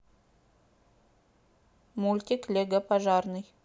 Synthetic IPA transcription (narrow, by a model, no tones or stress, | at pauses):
mulʲt̪ʲiklʲeɡapʰaʒɑrnɨj